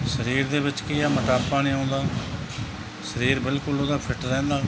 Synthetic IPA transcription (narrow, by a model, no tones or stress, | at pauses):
səɾiːɾd̪eːbɪt͡ʃkiːaːməʈaːpːaːnĩːãːnd̪aː | səɾiːɾbɪlkʊloːd̪aːpʰɪʈɾɛ̃ːnd̪aː